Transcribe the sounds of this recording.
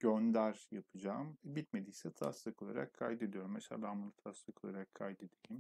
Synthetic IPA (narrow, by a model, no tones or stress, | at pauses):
ɟ̥ønd̪æɾjapʰɯd͡ʒaːmɛbit̪̚me̞d̪iːsɛt̪ʰa̰slˠɯkʰo̞lˠaɾakʰːajd̪ed̪ijo̞ɾmaʃa̰lˠamɯlˠɯt̪ʰaslˠɯkʰo̞lˠaɾakʰːajd̪ed̪ejim